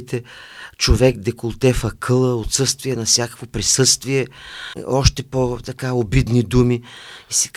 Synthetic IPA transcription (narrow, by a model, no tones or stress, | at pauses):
t̪ɛt͡ʃovɛk̚d̪ɛkolˠt̪ɛfəkʰɤlˠəot̪sɤst̪viɛnɐfsʲjakə̥kvopɾisɤst̪viɛ | ɔʃt̪ɛpot̪ɐkaobid̪nid̪umiisɛ̥